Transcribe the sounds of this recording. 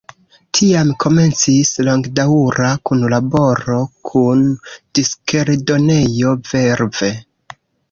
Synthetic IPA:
tʰiamkʰo̞me̞nt͡sislo̞ŋɡdauɾakunlabo̞ɾo̞kʰund̥iskeɾdo̞ne̞jo̞ve̞ɾve̞

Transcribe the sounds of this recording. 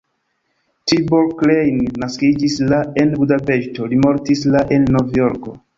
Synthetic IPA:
tiboɾklejnːaskid͡ʒislae̞nbudape̞ʃto̞limo̞ɾtislaʔe̞nːovjo̞ɾko̞

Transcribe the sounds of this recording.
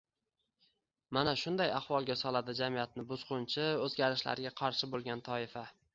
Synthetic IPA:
manaʃʊnd̪ajaχvɒlˠɡʲasɒlad̪ɪd͡ʒamijat̪̚nɪbʊz̥qʊnt͡ʃʰɪɵzɡʲaɾɪʃla̰ɾɪɡʲaqʰɑɾʃɪbolˠɡʲant̪ʰɒɪfa

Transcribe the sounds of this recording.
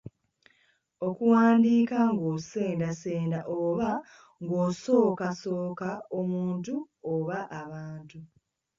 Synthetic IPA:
okuwaːndiːkaŋɡoːse̞ːndaseːndaʔoːβa | ŋɡoːso̞ːkaso̞ːkaomuːntu | oβaʔaβaːntu

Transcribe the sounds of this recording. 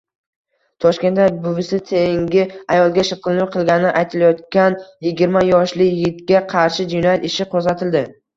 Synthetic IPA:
t̪ʰɒʃkʲe̞nt̪ːabʊvɪsɪt̪ʰeŋɡʲɪajɒlˠɡʲaʃɨqʰɨlnʊqʰɨlˠɡʲanɪʔajt̪ʰɪlajɒt̪kʲanjɪɡʲɪɾmajɒʃlɪjɪt̪ɡʲaqʰɑɾʃɪd͡ʒɪnɒjat̪ɪʃɪqʰozat̪ʰɪld̪ɪ

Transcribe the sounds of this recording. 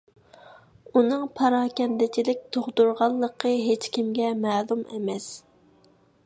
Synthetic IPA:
unɨŋpʰɑɾɑːkʲɛnd̪ɪt͡ʃʰilɪk̚ʲt̪ʰoʁd̪uɾʁɑlˠːəqʰəɦet͡ʃkʲʰimɡʲɛmælˠumḛmɛs

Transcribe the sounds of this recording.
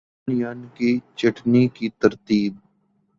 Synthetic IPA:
nɪjaːnkit͡ʃɐʈnikit̪ɐɾt̪iːb̚

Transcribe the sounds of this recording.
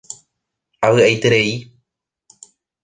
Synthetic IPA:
aʋɨʔajt̪eɾei

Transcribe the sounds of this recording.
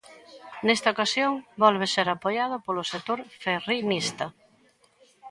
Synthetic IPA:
nest̪ɐokasjoŋbɔlβeseɾapojað̞ʊpolʊsek̚t̪oɾferinist̪ɐ

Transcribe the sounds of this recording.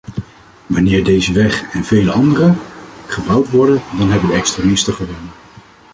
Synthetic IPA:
ʋɑnɪːɹdejzəʋɛχɛnvejləɑndərəχəbɑwtʋɔɹdədɑnɦɛbədəɛkstremɪstəχəʋɛnə

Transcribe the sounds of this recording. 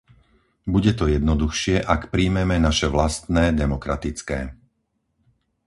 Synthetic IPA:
buɟɛt̪ɔjɛd̪nɔd̪uxʃɪɛʔakpɾiːmɛmɛnaʃɛʋlast̪nɛːd̪ɛmɔkɾat̪it͡skɛ̰ː

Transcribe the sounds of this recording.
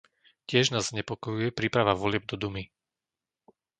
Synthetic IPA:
cɪɛʒnaːzːɲɛpɔkɔjujɛpɾipɾaʋaʋɔlɪɛb̚d̪ɔd̪umi

